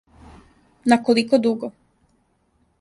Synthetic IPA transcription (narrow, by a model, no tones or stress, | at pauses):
nakolikod̪uɡo